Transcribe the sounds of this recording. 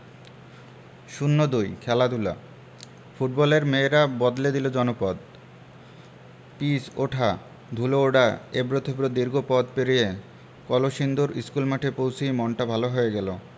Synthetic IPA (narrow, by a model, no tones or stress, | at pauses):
ʃunːod̪ujkʰɛlad̪ʱula̰ | fuʈ̚bɔleɾmeːɾabɔd̪led̪ilod͡ʑɔnopɔd̪ | pisoʈʰa | d̪ʱulooɖaebɾot̪ʰopɾod̪iɾɡʱopɔd̪peɾije | kɔloʃind̪oɾiskulmaʈʰepowt͡ɕʰijmɔɳʈabʱaloɦoeɡɛlo